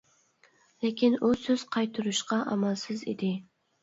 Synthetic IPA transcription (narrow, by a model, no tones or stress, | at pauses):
lekʲinusøz̥qʰɑjt̪ʰʊɾuʃqɑʔæ̰mælˠsɪzḛd̪ɪ